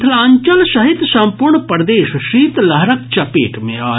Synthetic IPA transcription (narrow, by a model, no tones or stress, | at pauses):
t̪ʰlãːɲt͡ʃəlʃɐɦit̪sɐ̃mpuɾɳpɐɾd̪eːʃʃiːt̪lɐɦɾək̚t͡ʃɐpeːʈmḛ̃aː